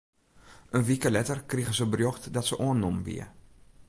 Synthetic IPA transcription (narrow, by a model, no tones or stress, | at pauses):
ʔənʋikəlɛtərkriɣəzəbərjoxtdɔtsəʔoənːɔmʋḭə